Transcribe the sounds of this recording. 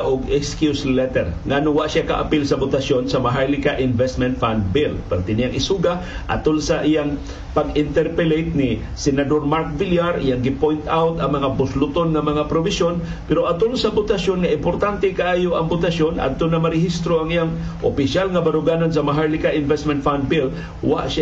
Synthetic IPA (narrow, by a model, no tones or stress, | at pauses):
ʔʊɡɛkskjuslɛt̪ɛɾŋanʊwaʔsaka̰ʔa̰pilsɐbʊt̪asjonsɐmaɦaɹlɪkaʔɪnvɛst̪mɛnt̪̚fand̪̚bɪlpaɾt̪ɪnɪjaŋʔɪsuɡaʔa̰t̪olsaʔijaŋ | paɡɪnt̪ɛɾpɛlejt̪̚nɪ | sɛnad̪oɾmaɾk̚viljaɾʔḭjaŋɡɪpojnt̪ʔawt̪ɐŋmɐŋabʊslʊt̪onŋɐmɐŋapɾobɪsjon | pɛɾoʔat̪olsɐbʊt̪asjonŋaʔɪmpoɾt̪ant̪ɛkaʔaːjoʔɐŋbʊt̪asjona̰d̪̚t̪onɐmaɾɪhist̪ɾoʔaŋijaŋ | ʔopɪsjalŋɐbaɾʊɡaːnans̬ɐmaɦajlɪkaʔɪnvɛst̪mɛ̃nt̪fand̪̚bɪl | wa̰ʔʃa